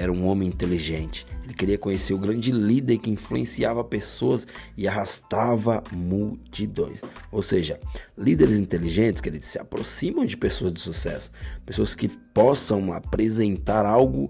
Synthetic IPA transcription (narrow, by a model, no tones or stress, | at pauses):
ɛɾɐũõmẽĩnt̪eliʒẽnt͡ʃɪ̥elɪkeɾiɐkõɲeseɾʊɡɾɐ̃nd͡ʒɪlid̪eɾkɪĩfluẽsiavɐpesoɐsɪaɦast̪avɐmuwt͡ʃid̪õj̃sowseʒɐlid̪eɾɪzĩnt̪eliʒẽnt͡ʃɪ̥skelɪsːɪa̰pɾo̰sĩmɐ̃w̃d͡ʒɪpesoɐzd͡ʒɪsusɛ̰sʊ̥pesoɐskɪpɔsɐ̃w̃a̰pɾezẽnt̪aɾawɡʊ